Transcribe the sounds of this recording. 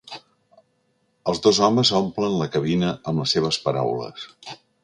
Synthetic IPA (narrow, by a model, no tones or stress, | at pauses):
əlˠzðozɔməzomplənləkəβinəʔəmləseβ̞əspəɾa̰wlə̰s